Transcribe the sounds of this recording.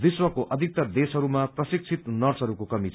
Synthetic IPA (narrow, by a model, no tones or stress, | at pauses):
d̪iswʌkoʔʌd̪ʱik̚t̪ʌd̪esɦʌɾumaprʌsik̚t͡sʰit̪nʌrsɦʌɾukokʌmit͡sʰ